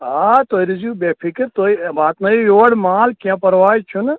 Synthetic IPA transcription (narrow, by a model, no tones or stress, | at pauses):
ɦat̪oːiɾɪzjubeːpʰɪkɾt̪oːibaːt̪nɐjijoːɽmaːlkijãːpɐɾʋaːit͡ʃʰun